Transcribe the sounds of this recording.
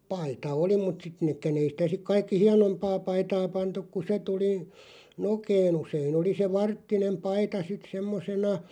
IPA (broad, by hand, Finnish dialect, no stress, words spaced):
pɑitɑ oli mut sit nekːæn ei sĭtæ sik kɑikːi hiɑnompɑː pɑitɑː pɑntuk ku se tuli nokeːn useːn oli se ʋɑrtːinem pɑitɑ sit semːosenɑ